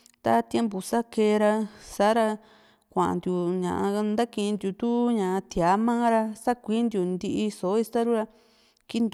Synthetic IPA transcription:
t̪a˧t̪je˧˦mpu˨sa˦ke˧ɾa˧sa˨˦ɾa˧ | kʷã˨ʔã̰˨nd̪ju˨ɲã̰˨ʔã˧nd̪a˦kĩ˧nd̪ju˧t̪u˦ɲã˨ã˧t̪a˨˦mãː˦ɾa˧sa˦kʷi˦nd̪ju˧nd̪i˧ʔi˧so˨˦i˧st̪a˦ɾu˦ɾa˧ | ki˦nd̪

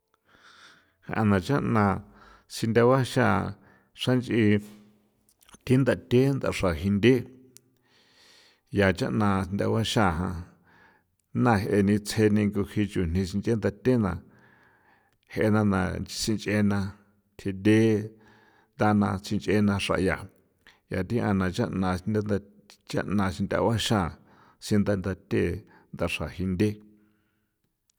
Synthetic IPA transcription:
ha̰˧˨ʔã̰˧nã˨t͡ʃã˦ʔnã˧ | si˧nd̪ʲa˧wa˦ʃa˦˨ | ʂa˦nt͡ʃʔi˧ | t̪i˦nd̪a˧t̪ʲe˦nd̪a̰˧ʂa˨hi˧nd̪e˦ | ja˨t͡ʃa̰˦ʔnã˧nd̪a̰˧wa˦ʃa˦˨ɦã˧ | nã˧ɦʔe˧nĩ˧t͡sʰe˧nĩ˧ŋɡu˧hi˧t͡ʃu˨n̥ĩ˧si˧nt͡ʃʔe˦nd̪a˧t̪ʲe˦nã˧ | he˧nã˧nã̰˧˨sĩ˧nt͡ʃʼʔe˧nã˧ | t̪ʰe˧d̪e˦ | nd̪a˦˧nã˧t͡si˧nt͡ʃʔe˧nã˧ʂa̰˨ja̰˨ | ja̰˨t̪ĩ˦ʔã˧nã˧t͡ʃa̰˦ʔnã˧i˧na˦n˧ | t͡ʃa̰˦ʔnã˧ʃi˧nd̪ʲa̰˧wa˦ʃã˦˨ | sĩ˧nd̪a˧nd̪a˧t̪ʲe˦˨ | nd̪a˧ʂa˨hi˧nd̪ʲe˦

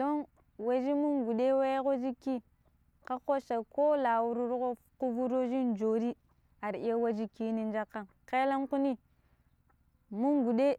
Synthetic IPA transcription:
do˦n | wa˨d͡ʒi˦mu˦ŋɡu˨ɗe˦wa˦jko˦d͡ʒi˦ki˦ | ka˦ko˦ʃa˨ko˦la˨wu˨ɾu˦ɾɣo˦ | ku˦vu˦ɾo˦d͡ʒi˦nd͡ʒo˨ɾi˦ | a˨ɾi˦ja˦wa˦d͡ʒi˦ki˦ni˦n˦d͡ʒa˦ka˦n | ke˦la˦nku˦ni˦ | mu˦ŋɡu˨de˦

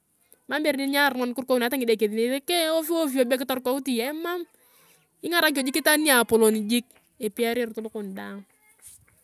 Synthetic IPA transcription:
ma˦mbe˨ɾni˦ɲa˦˨ɾmɔ˦nkʊ˦rko˦una˦ta˦ŋɪ˨de˨ke˨ði˨ne˨e˦ke˦o˦fi˦o˦fi˦o˨ba˦kɪ˦tɔ˦rkɔ˦u˦ti˨ɛ˦ma˦m | ɪ˦ŋa˦ɾa˦k̬o˨d͡ʒi˦kːɪ˦ta˦ni˦a˨po˨lo˨ni˨d͡ʒi˦k̚ | e˨pi˦a˦ɾe˦ɾtʊ˦lʊ˦kʊ˨n˨da˦ŋ

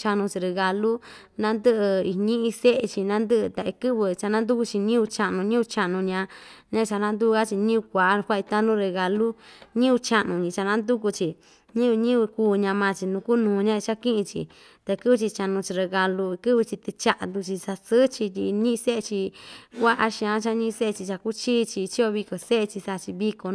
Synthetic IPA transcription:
t͡ʃa˧nũ˧t͡ʃi˧ɾe˧ɣa˧lu˦ | nã˦nd̪ɨ˦ʔɨ˧i˧ɲĩ˦ʔĩ˧se˦ʔe˧t͡ʃi˧nã˦nd̪ɨ˦ʔt̪a˧ʔi˧kɨ˦βɨ˧t͡ʃa˧nã˦nd̪u˦ku˧t͡ʃi˧ɲĩ˦u˧t͡ʃa˧ʔnũ˧ɲĩ˦u˧t͡ʃa˧ʔnũ˧ɲã˧ɲã˦˧t͡ʃa˧nã˦nd̪u˦˧a˦t͡ʃi˧ɲĩ˦u˧kʷa˨ʔkʷa˦˧i˧t̪a˦nũ˦ɾe˧ɣa˨lu˦ɲĩ˦u˧t͡ʃa˧ʔnũ˧ɲĩ˧t͡ʃa˧nã˦nd̪u˦ku˧t͡ʃi˨ | ɲĩ˦βɲĩ˦βɨ˧kuː˧ɲã˧mã˧t͡ʃi˧nũ˧ku˦nũː˨˧ɲã˦e˧t͡ʃa˦kĩ˦ʔĩ˧t͡ʃḭ˧ | t̪a˧kɨ˦βɨ˧t͡ʃi˧t͡ʃa˧nũ˧t͡ʃi˧ɾe˧ɣa˧lu˧kɨ˦βɨ˧t͡ʃi˧t̪ɨ˧t͡ʃa˧ʔa˧nd̪u˧t͡ʃi˧sa˧sɨ˦t͡ʃi˧ti˧ɲĩ˦˧se˦e˧t͡ʃi˧kʷa˦ʔa˧ʃĩ˧ã˧˦t͡ʃa˦ɲĩ˦˧se˦e˧t͡ʃi˧t͡ʃa˧ku˦t͡ʃiː˦˧t͡ʃi˧t͡ʃi˦o˧βi˧ko˨se˦ʔe˧t͡ʃi˧sa˧t͡ʃi˧βi˧ko˧˦

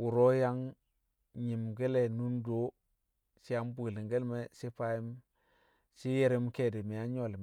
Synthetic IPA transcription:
wu˨ɾo˦ja˦ŋ | ɲi˨mɡe˦le˨nu˦ndo˦ | si˦ja˦mbu˨li˨ŋɡe˦lme˦si˦pa˦i˦m | si˦je˦ɾi˦m˦ke˦˨di˨mi˨ja˦ɲo˨lm˨

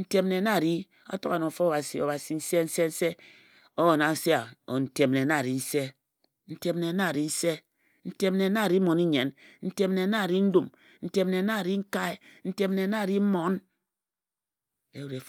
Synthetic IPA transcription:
n̩˦te˦m˦ne˨˦na˦˨ɾi˦ | a̰˦to˦ka˨no˨fo˦o˦˨ba˨si˨o˨ba˨si˨n̩˦se˦n̩˦se˦n̩˦se˦ | o˦wo˨na˨n̩˦se˦a˨o˨n̩˨te˨mne˨na˦˨ɾi˨n̩˦se˦ | n̩˦te˦mne˨˦na˦˨ɾi˦n̩˦se˦ | n̩˦te˦mne˨˦na˦˨ɾi˦mo˨ni˦ɲe˨nn̩˦te˦mne˨˦na˦˨ɾi˦n̩˦du˦˨m | n̩˦te˦m˦ne˨˦na˦˨ɾi˦ŋ̩˦ka˦e˦n̩˦te˦m˦ne˨˦na˦˨ɾi˦mo˨˦n | e˦ɾe˨f

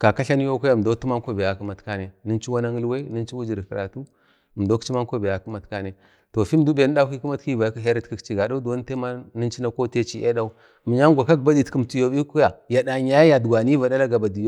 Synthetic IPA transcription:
ka˨ka˦ɬa˦n˦jo˦kʷo˦ja˦˨m˨do˦u˦ma˦ko˦be˨ja˨kə˦ma˨tka˦ne˨nə˦n˦t͡ʃi˦wa˦na˦ŋə˦lwe˦nə˦nt͡ʃi˦wu˦d͡ʒi˨ɾkə˨ɾa˨tu˦˨ | mdo˦kt͡ʃi˦ma˦ŋko˦be˨ja˨kə˦ma˨tka˦ne˨ | to˨fi˦m˦du˦be˨n˦da˦ki˦ku˦ma˦tki˦va˨jka˦ɦe˦ɾa˦tki˨kt͡ʃi˨ɡa˨da˦u˦do˦n˦te˦ma˦nə˦nt͡ʃi˦na˦ko˦te˦t͡ʃi˦ʔe˦da˦u˦˨ | mi˨ɲa˦ŋɡʷa˨ka˦kba˦di˦tkə˨mtu˨jo˨bi˦kja˨ja˨da˨ɲa˦jja˨dɡʷa˨ni˦va˨da˦la˦ɡa˨ba˨di˨jo˦

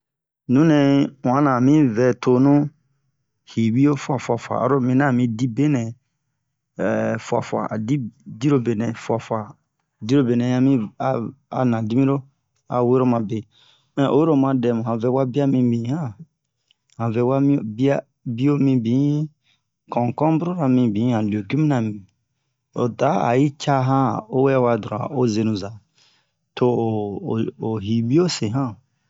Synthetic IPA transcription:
nũ˦nɛ̃˧wã˨˦nã˨mĩ˦vɛ˨tʰo˧˨nũ˦ | hi˨wi˦jo˦fwa˨fu˧a˨fwa̰˨ɾo˦mĩ˧˦nã˨˦˨mĩ˧˦di˦be˦nɛ̃˨ | ɛ˨fwa̰˨fa̰˨a̰˨di˦di˦ɾo˦be˨nɛ̃˨fu˧a˨fu˨a˨ | di˦ɾo˦be˨nɛ̃˨˦ã˧˦mĩ˦a˨a̰˨nã˨di˦mĩ˦ɾo˦ | a̰˨˦we˦ɾo˦mã˧˨be˨ | ɛ̃˨o̰˨we˦ɾo˦mã˧dɛ˧˨mũ˨hã˨vɛ˧˦wa˦bi˦a˦mĩ˧bĩ˨˦hã˦ | hã˨vɛ˨wa˦mĩ˦o˨bi˦a˦ | bi˦o˦mĩ˧bĩ˨˦ | kɔ̃˨kɔ̃˦bu˦ɾo˦ɾa˧mĩ˧bĩ˨˦hã˨li˨o˨ki˦mĩ˦nã˨mĩ˨ | o̰˨ta˨˦a̰˨i˦t͡ʃa˦ɦã˦o˦wɛ˦wa˧du˨ɾa̰˨o˦ze˧nũ˨za˨ | to˦˨o˨ɦi˨bi˦o˦se˨ɦã˦

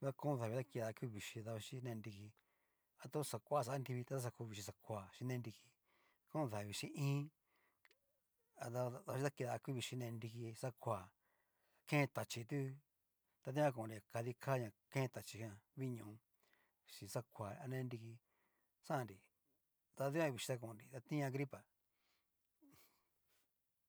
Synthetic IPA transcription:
ða˦˧kõ˦˧ða˨βi˧ða˦ki˧ða˧ku˦˧βi˨ʃi˧ða˧βa˧ʃi˦nẽ˧nd̪i˧ki˧ | a˧t̪o˦sa˨kʷa˦˨s̬a˧a˦nd̪i˧βi˧t̪a˧t̪a˦sa˧ku˧˦˧βi˧ʃi˧s̬a˧kʷa˨ʃĩ˧nẽ˦˧d̪i˧ki˧ | kõ˦˧ða˨βi˧ʃĩ˧ĩː˦ | a˧t̪a˧ða˧ʃi˦t̪a˦˧ki˧ða˧ku˦βi˧ʃi˧nẽ˧nd̪i˧ki˧sa˦kʷa˨ | kẽ˦˧t̪a˨t͡ʃi˧t̪u˦ | t̪a˧ðĩ˦ã˧k̬õː˨ɾi˧a˨ka˧ði˧kʰa˦ɲã˨kẽ˦˧t̪a˨t͡ʃi˧hã˧βi˦ɲũ˨˧ | ʃĩ˧sa˦kʷa˨a˧nẽ˦˧ndi˧ki˧ | sã˦ã˧nɾi˨ | t̪a˧ði˦ã˦˧βi˨˧ʃi˧t̪a˦˧k̬õ˧˨nɾi˨t̪a˧t̪ĩ˦˧ã˧ɡɾi˦pa˨

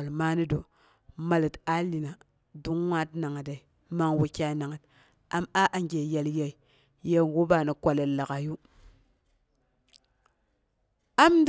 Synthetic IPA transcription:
a˨lma˦ni˦do˨ | ma˨li˨ta˦li˨na˨ | du˦ŋwa˦t̚na˨ŋa˨da˨i˨ | ma˨ŋwa˨kʲa˨˦na˨ŋa˨t | a˦ma˦ʔa˨ŋɡe˨ja˨lja˨i˨ | je˦ɡu˦ba˨ni˨kʷa˨le˨lːa˨ka˨ju˦ | a˦md

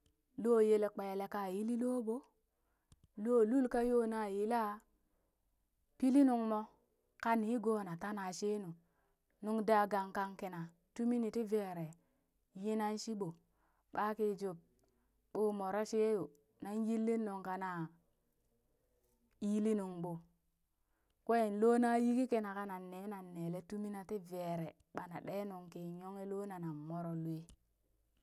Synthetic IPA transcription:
loː˦˨je˦le˨k͡pe˨le˨ka˨ji˦li˦lo˦bo˦ | lo˦˨lu˦lka˦jo˦na˨ji˦la˦ | pi˦li˦nu˨ŋmo˦ | ka˦ni˨˦ɡo˦˨na˨ta˦na˨ʃe˦nu˨ | nu˦ŋda˦ɡa˨ŋka˦ŋki˨na˨ | tu˦mi˦ni˨ti˦ve˦˨ɾe˨ | ji˦na˦n˦ʃi˦ɓo˨ | ɓa˦ke˦d͡ʒo˨b̚ | ɓoː˦mo˨ɾo˦ʃe˦jo˨ | na˦nji˦lːi˦no˨ŋka˨na˨ | i˦li˦nu˨ŋɓo˨ | kʷe˦˨n˨lo˦na˦ji˦ki˦ke˦na˨ka˦na˨nːeː˨˦na˨nːe˨le˦tu˦mi˦na˨ti˦ve˨ɾe˨ | ɓa˨na̰˨ɗe˦no˨ŋke˨ɲo˦ŋe˦lo˦na˨na˨mo˦ɾo˨lu˨e˦

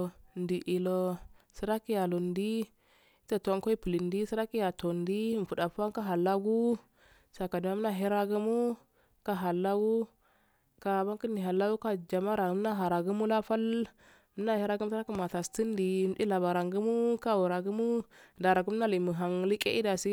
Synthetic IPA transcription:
n˨di˨ʔi˨lo˨si˦ɾa˦ki˦ja˨lu˨ndi˦ | ta˦ta˦ko˦i˦pi˨li˨ndi˦si˦ɾa˦ki˦ja˨to˨ndi˦m˨fu˨da˨fa˦ŋ˦ka˦ɦa˨lːa˦ɡu˦ | sa˨ka˨di˨ma˦m˦na˦ɦi˦ɾa˦ɡu˦mu˦ | ka˦ɦa˨lːa˦ɡu˦ | ka˨ba˦ŋki˦ni˨ɦa˨la˦ɡu˦ka˦d͡ʒa˨ma˦ɾa˨m˦na˦ɦa˨ɾa˨ɡu˦mu˦la˦fa˦l | mə˦na˦hi˦ɾa˦ɡm˦si˦ɾa˦ki˦ma˨ta˨sti˦n˦di˨˦di˦la˨ba˨ɾa˨ŋɡu˦mu˦ka˦wu˨ɾa˨ɡu˦mu˦da˨ɾa˨ɡu˦m˦na˦li˨mu˨ɦa˨ŋli˦ke˦i˦da˨si˦

